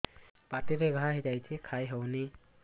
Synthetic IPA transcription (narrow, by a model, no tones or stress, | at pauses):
patiɾeɡʱaɦitajtʰikʰajɦəwni